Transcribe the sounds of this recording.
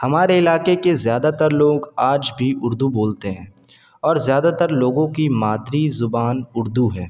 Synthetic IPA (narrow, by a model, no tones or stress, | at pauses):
hɐmaːɾeɪlaːkekezjaːd̪at̪əɾloːɡaːd͡ʒbʱiʊɾd̪uboːlt̪eɦɛ̃ː | ɔːɾzjaːd̪at̪əɾloːɡõkimaːd̪ɾizʊbaːnʊɾd̪uɦɛː